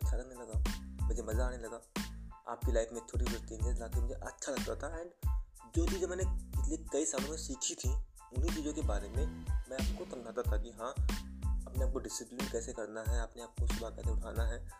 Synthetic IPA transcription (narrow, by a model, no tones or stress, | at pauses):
ɐtːʃʰalɐɡnelɐɡaːmʊd͡ʒemɐzaaːnelɐɡaːa̰ːp̚kilaːɪfmẽt̪ʰoːɽibəɾt̪ẽɡelaːkɪnmd͡ʒeʔɐtːʃʰalɐɡ̚t̪at̪ʰaɛːɳɖ | d͡ʒoːt͡ʃiːzẽmɛːneɪslikɐisaːlõmẽsiːkʰit̪ʰi | ʊnɦit͡ʃiːzõkebaːɾemẽmɛ̃aːp̚kot̪ɐ̃ŋɡʱaːt̪at̪ʰakiɦãː | ɐpneaːp̚koɖɪsɪplijənkɛːsekɐɾnaɦɛaːpneaːp̚kosʊbʱakɛːseʊʈʰa̰ːnaɦɛː